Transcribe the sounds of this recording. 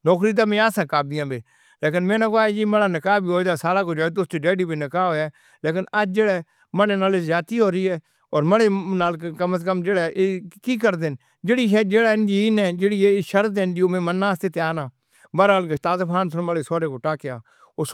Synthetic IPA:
nɔːkɾiːd̪̬aːmẽːaːsãːkaːd̪ɪjãːbeː | leːkɪnmẽːnãːkoaːd͡ʒiːməɽaːnəkaːbʱiːɦoːd̪aːsaːlaːkoːd͡ʒeːɽt̪ʊst̪iːɖeːɖiːbiːnəkaːoːɛː | leːkɪnəd͡ʒd͡ʒeːɽɛː | məɽeːnaːled͡ʒaːt̪iːɦoːɾiːɦɛː | ɔːɾməɽeːnaːlkkəməskəmd͡ʒeːɽɛːʔkiːkəɾd̪eːn | d͡ʒeːɽiːʃɛːd͡ʒeːɽaːɪnd͡ʒiːɪːnɛ̃ːd͡ʒeːɽiːeʃəɾeːnd͡ʒ̪iːoːmẽːmənːaːst̪eːt̪eaːnaː | bəɾaːlɡət̪aːzəpʰaːnsənməɽeːsoːɾeːkoːʈaːkjaː | o

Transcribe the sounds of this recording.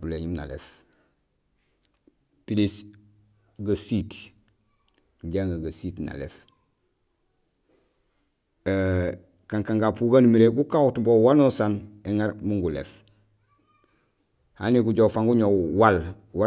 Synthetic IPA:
uleɲimna̰lḛf | pilis | ɡasit | ɲɟaŋɡaɡasitna̰lḛf | kaŋkaŋɡaːpuɡanumiɾeɡukawutbowanusaneŋaɾmuŋɡulḛf | ha̰niɡuɟowfaŋɡuɲowwal | wa

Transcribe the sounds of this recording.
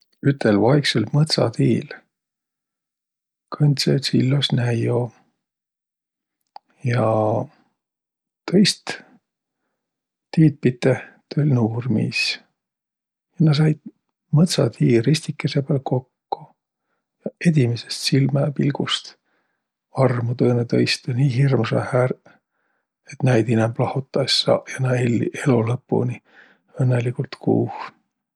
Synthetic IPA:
yt̪ːˑelvɑjkselʲmɤt̪sɑ̰t̪iːl | kʰɤnʲt̪sesilːosnæjo | jɑ | t̪ʰɤ̞jst̪ | t̪iːt̪̚pit̪ːˑet̪ølʲnuːrmḭs | jɑnɑs̬ɑjd̪̥̚ | mɤt̪sɑt̪hiːrisʲt̪ikːˑesepælko̞kːo | jɑed̪imesest̪silmɑpilɡ̥ust̪ | ɑrmut̪ɤːnet̪ɤjst̪ɑniːɦirmusɑhæɾ | et̪næjd̪inɛmb̥lɑhut̪ːˑɑsːɑ̰jɑnɑelʲːiʔelulɤpːṵni | ɤnːelikult̪kṵːh

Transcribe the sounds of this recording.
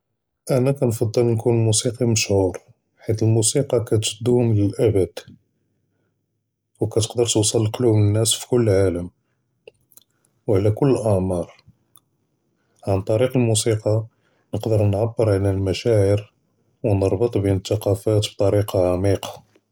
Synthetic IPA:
ʔænækænfɑd̪ˤːəlnkunlmusiqiməʃhuɾ | ħit̪əlmusiqɑkæt̪ʒəd̪ːuhʊmləlʔæbəd̪̥ | wkæt̪ə̥qd̪əɾt̪əwsˤɑlːqlubnənːæsfi̥kʊlːʕaləm | wʕlækʊlːəʔɑʕmɑɾˤ | ʕant̪ˤɑɾiqəlmusiqɑ | nəqd̪əɾnʕabːəɾʕalælmæʃæʕəɾ | wnəɾˤbət̪ˤbinət̪ːɑqɑfæt̪b̚t̪ˤɑɾiqɑʕamiqɑ̥

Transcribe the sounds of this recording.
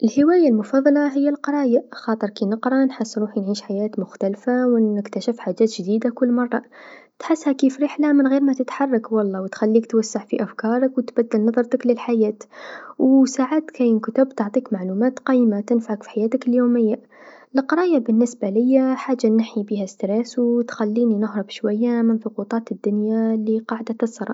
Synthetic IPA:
ʔɪlhɪwaːjalmʊfɑðˤːɑlɑɦɪjːalqɑɾˤɑːjaxɑːt̪ˤɨɾˤkinɪqɾˤɑnħɪsːɾuːħinʕiːʃħajaːt̪mʊxt̪alfawɪkt̪aʃɪfħaːd͡ʒaːt̪ʒd̪iːd̪akʊlːmɑrˤːɑt̪ħɪsːhakiːfɾɪːħlamɪnɣeːɾmat̪ɪt̪ħɑrˤːɑkwɑlˤːɑːwɪt̪xalːiːkt̪wasːaʕfiʔafkɑːɾˤɑkwɪt̪bad̪ːɪlnɑðˤɑɾˤt̪aklɪlħajaːt̪wsaːʕaːt̪kæjɪnkʊt̪ʊbt̪ʊʕt̪ˤiːkmaʕluːmaːt̪qɑːjmat̪ɪnfaʕakfi̥ħajaːt̪ɪkɪljoːmɪjːa | lɪqɑɾˤɑːjabɪnːɪsbalɪjːaħaːd͡ʒːanaħjibiːhast̪ɾeːswt̪xalːiːninʊɦɾˤɑbʃwajːamɪnθʊqut̪ˤɑːt̪ɪd̪ːʊnjaliqɑːʕd̪at̪ɑsɾˤɑ̰

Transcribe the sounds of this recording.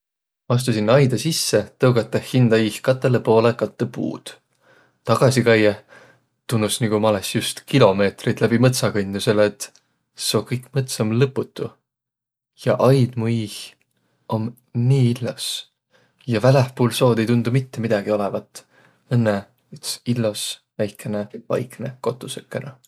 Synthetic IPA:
ɑs̬t̪usinːɑjd̪ɑsisːe̞t̪ɤwɡ̥ɑt̪ːˑɑhind̪ɑiːhkɑt̪ːˑelepo̞ːlekɑt̪ːˑepṵːd̪̥ | t̪ɑɡ̥ɑsikɑje | t̪unːusniɡumɑlesjust̪kilo̞me̞ːt̪rit̪læb̥imɤt̪sɑkɤnʲd̪use̞let̪ːˑ | seo̞kɤjkmɤt̪sɑmlɤpːˑut̪ːˑu | jɑ̰ʔɑjd̪̥muih | ʔom | niːilːos | jɑvælehpuːlso̞ːd̪̥e̞jt̪und̪̥umit̪ːemid̪̥ɑɡ̥io̞levɑt̪ːˑ | enːe | yt̪silːo̞svæjkˑe̞nevɑ̰jkˑne̞ko̞t̪ːˑusø̥kːˑenɑ

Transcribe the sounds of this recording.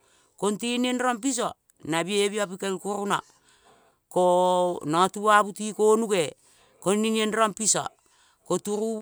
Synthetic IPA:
kontinenɾamp̬is̬a | naβieβiapikalkuɾuna | konatuaβutikonuke | konninienɾampisa̰ | kotuɾu

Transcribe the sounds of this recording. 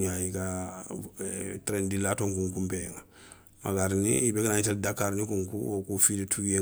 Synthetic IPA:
ɲaika | tɾendilatoŋkuŋkumbeŋa | ma̰kaɾnḭibekanaɲiteldakːaɾnikuŋkṵokufidetʰuɡje

